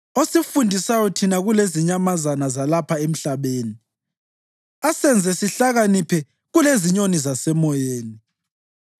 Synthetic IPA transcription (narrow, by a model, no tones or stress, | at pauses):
osifundʱisajɔtʰinaɣuleziɲamazanazalapʰaem̩ɬaβeːni | asɛnd͡zʱɛsiɬaɣanipʰɛ | ɣuleziɲonizasɛmɔjeːni